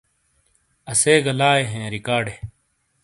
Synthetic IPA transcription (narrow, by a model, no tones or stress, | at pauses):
ɐseːɡɐlaːeɦẽːɾikaːɖeː